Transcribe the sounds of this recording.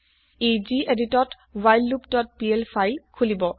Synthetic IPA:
ed͡ʒiʔeditɔt | wajlːupdɔt̚pielpʰajlkʰulibɔ

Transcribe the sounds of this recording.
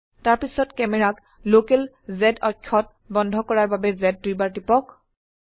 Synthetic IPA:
taɹpisɔtkɛmɛɹak | lokɛl | zɛdɔkʰːɔt̚ | bɔndʱɔkɔɹaɹbabɛzɛdːujbaɹtipɔk

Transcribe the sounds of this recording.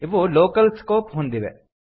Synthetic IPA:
ʋoloːkəlskoːpɦʊ̃nd̪iʋḛː

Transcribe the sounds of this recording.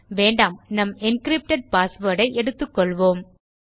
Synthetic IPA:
ʋeːɳɖaːmnɐmɪnkɾɪp̚ʈɐɖ̚paːsʋɐːɽɐɪʔɛɽɯt̪ːɯkːɔɭʋoːm

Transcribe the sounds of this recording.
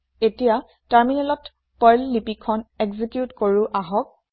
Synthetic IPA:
etija | taɹminɛlɔt | pɔjlːipikʰɔneɡzikjutkoɹuʔaɦɔk̚

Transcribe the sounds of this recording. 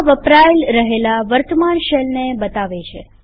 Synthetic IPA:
ʋəpɾaelɾəɦelaʋəɾt̪əmanʃelnebət̪aʋet͡ʃʰḛ

